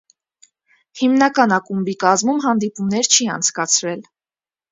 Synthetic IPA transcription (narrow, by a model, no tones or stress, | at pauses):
himnɑkɑnɑkumbikɑzmumɦɑnd̪ipumnɛɾt͡ʃʰiɑ̰nt͡sʰkɑt͡sʰɾɛl